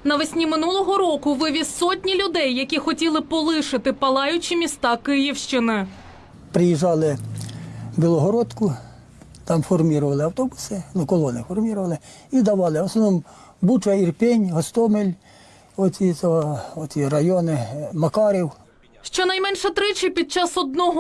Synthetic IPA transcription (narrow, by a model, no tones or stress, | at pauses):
nɐʋɛsʲnʲimɪnulˠɔɦɔɾɔkʊʋɪʋʲissɔtʲnʲilʲʊd̪ɛjːɐkʲixɔtʲilˠɪpɔlˠɪʃɪt̪ɪpɐlˠɑjʊt͡ʃimʲist̪ɑkɪjiwʃt͡ʃɪnɪ | pɾɪjiʒɑlˠɪ | bʲilˠɔɦɔɾɔt̪kʊ | t̪ɑmfɔrmʲiɾʊʋɐlˠɪɐwt̪ɔbʊsɪnukɔlˠɔnɪfɔrmʲiɾʊʋɐlˠɪ | id̪ɐʋɑlˠɪɔsnɔnɔm | but͡ʃɐirpʲɛnʲɦɔst̪ɔmelʲ | ɔt͡sʲit͡s̪ʲɔɦɔɔt͡sʲiɾɐjɔnɪmɐkɑɾʲiw | ʃt͡ʃɔnɐjmɛnʃɛt̪ɾɪt͡ʃɪpʲid̪̚t͡ʃɑsɔd̪̚nɔɦɔ